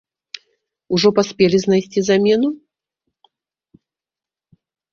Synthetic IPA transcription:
uʐɔpasʲpʲɛlʲiznajsʲt͡sʲizamʲɛnu

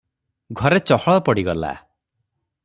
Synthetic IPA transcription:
ɡʱɔɾet͡ʃɔhɔɭɔpɔɽiɡɔla̰

